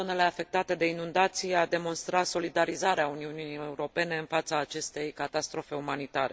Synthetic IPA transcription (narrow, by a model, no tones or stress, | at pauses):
o̞ne̞le̞afe̞k̚t̪at̪e̞d̪e̞inund̪at̪sijad̪e̞mo̞nst̪ɾat̪so̞lid̪aɾizaɾeauniununijeuɾo̞pe̞ne̞ɨnfat̪saːt͡ʃe̞st̪e̞jkat̪ast̪ɾo̞fe̞umanit̪aɾe